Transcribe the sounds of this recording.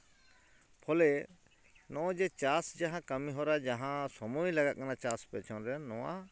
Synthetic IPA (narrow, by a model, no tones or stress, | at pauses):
pʰɔlɛ | nɔ̃ʔɔ̃d͡ʒɛt͡ʃasd͡ʒaɦãkəmĩɦɔɾad͡ʒaɦãsɔmuilaɡaʔ̪̚kanat͡ʃaspɛt͡ʃʰɔnɾɛnɔ̃wa̰